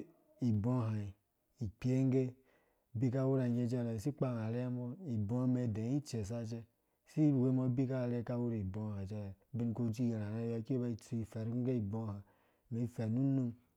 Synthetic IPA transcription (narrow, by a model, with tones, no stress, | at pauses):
i˨bõ˦ɦa˨i˨ | i˨k͡pi˦e˦ŋ˦ɡe˦ | bi˦ka˦wu˦ɾa˨je˦d͡ʒe˦˨ɾe˨si˦k͡pa˦˨n˨a˨le˦mɔ˦i˨bo˦me˨de˨˦i˦t͡ʃe˨s̬a˦d͡ʒe˦˨ | si˦˨we˦mo˦bi˦ka˦˨ɾe˦ka˦wu˦ɾa˨i˨bo˦˨ha˨d͡ʒɛ˦ɾbi˦n˦ko˦d͡ʒi˦je˨ɾa˨ɾe˦ja˨˦ki˦e˦ba˦i˦˨tu˦i˨fɛ˨ɾi˦ɡe˦i˨bo˦ha˨ | me˨i˦˨fɛ˨nu˦nu˦m